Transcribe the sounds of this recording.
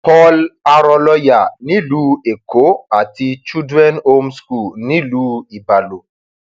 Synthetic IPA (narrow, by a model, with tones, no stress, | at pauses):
pɔ˦la˧ɾɔ˧lɔ˦ja˨nĩ˨˦luː˦e˨ko˨˦a˨ti˧t͡ʃu˦dɾɛ˦no˦msku˦˨lnĩ˦luː˦i˨ba˨lo˨